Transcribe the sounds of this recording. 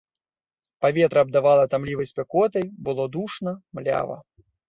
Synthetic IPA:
pavʲɛt̪ɾɐːb̚d̪avalˠɐt̪amlʲivɐjsʲpʲɛkɔt̪ɐjbɨlˠɔd̪uʂnɐmlʲa̰vɐ̰

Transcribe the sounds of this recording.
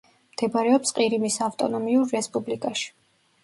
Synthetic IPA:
md̪̥ɛbaɾɛɔpsqʼiɾimisavt̪ʼɔnɔmiuɾːɛspʼublikʼaʃi̥

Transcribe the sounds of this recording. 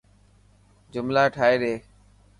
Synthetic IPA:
d͡ʒʊmlaːʈʰaːeːɗeː

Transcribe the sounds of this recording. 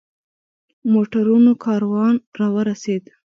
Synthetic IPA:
moʈaɾunokʰɑɾwɑnɾɑwəɾased̪

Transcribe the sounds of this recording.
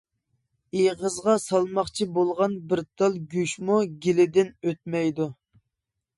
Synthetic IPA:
ejʁəzʁɑsɑlˠmɑχt͡ʃʰibolˠʁɑnbɪɾt̪ʰɑlˠɡʲyʃmuɡʲilɪd̪ɪnøt̪̚mɛjd̪u

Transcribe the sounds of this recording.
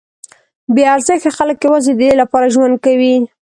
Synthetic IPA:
beaɾzəxexaləkːewazed̪əd̪elapɑɾaʒwand̪̚kawi

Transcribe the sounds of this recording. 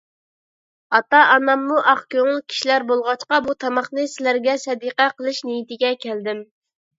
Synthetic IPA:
ɑt̪ɑɑnɑmːuʔɑχkʲʰøŋɪlˠkʲʰi̥ʃilæɾbolˠʁɑt͡ʃqɑbut̪ʰɑmɑχnɨsɪlæɾɡʲɛsɛd̪iqæqʰəlˠɨʃnejit̪ɪɡʲɛkʲʰæld̪ɪm

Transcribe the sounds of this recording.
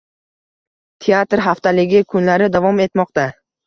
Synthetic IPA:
t̪ʰeat̪ɾɦaft̪ʰalɪɡʲɪkʰʊnlaɾɪd̪avɒme̞t̪mɒq̚t̪a

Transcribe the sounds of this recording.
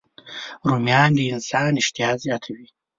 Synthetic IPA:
ɾumjɑːnd̪iɪnsɑːnɪʃt̪iɑːzjɑːt̪ʰawi

